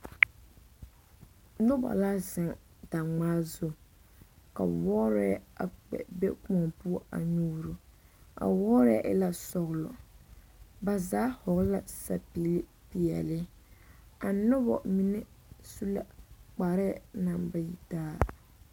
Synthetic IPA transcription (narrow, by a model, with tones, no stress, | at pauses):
nʊ˦ba̰˨laː˦zɪ˨ŋ | da˨ŋ͡maː˦zʊ˦˨ | ka̰˨wɔː˦ɾɛ˦a̰˨k͡pɛ̰˨bɛ˦kɔ˨ŋpu˦ɔ˦ʔa̰˨ɲuː˦ɾu˨a̰˨wɔː˦ɾɛ̰˦ʔla˨sɔ˨ɣlɔ̰˨ | ba˨zaː˦hʊ˨ɣla˨sa˨pi˨li˦ | pi˨ɛ̰˨lɪ˦ | a˨nʊ˦bɔ̰˨mi˦nɛ˦ | su˦la̰˨k͡pa˨ɾɪ˦na˨mba˦ji˨taː˦